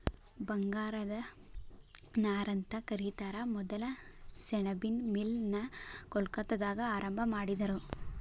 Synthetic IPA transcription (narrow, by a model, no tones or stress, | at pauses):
bɐŋɡaːɾɐd̪ɐ | naːɾɐnt̪ɐkɐɾiːt̪aːɾɐmɔd̪ɐlɐsɛɳɐbinmilnɐkɔlkɐt̪ːɐd̪aːɡɐaːɾɐmbʱɐmaːɽid̪ɐɾu